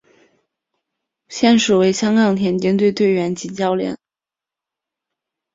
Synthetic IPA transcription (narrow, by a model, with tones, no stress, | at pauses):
ɕjɛ˥˩nʂu˨˩we˧˥ɪɕjɑ˥ŋkɑ˨˩ŋt̪ʰjɛ˧˥nt͡ɕji˥nt̪we˥˧ɪt̪we˥˩ɪɥɛ˧˥nt͡ɕi˧˥t͡ɕjɑ˥ʊljɛ̰˨˩˦n